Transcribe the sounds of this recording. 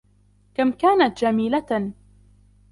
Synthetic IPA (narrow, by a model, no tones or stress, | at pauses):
kamkaːnat̪d͡ʒamiːla